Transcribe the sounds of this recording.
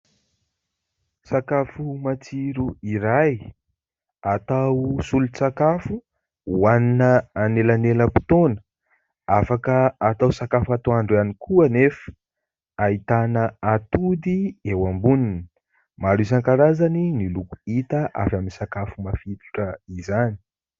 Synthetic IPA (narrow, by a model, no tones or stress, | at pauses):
sakafumat͡siɾuiɾaj | at̪awsulut͡sakafu | waninəːnelaneləpu̥t̪onə̥ | afakəat̪awsakafat̪oaɳɖ͡ʐanikʰuənefə̥ | ait̪anəat̪ud̪iewambunini | maɾus̬aŋkaɾazaninilukuit̪əʔa̰vaminsakafumafit̪u̥ʈ͡ʂəizani̥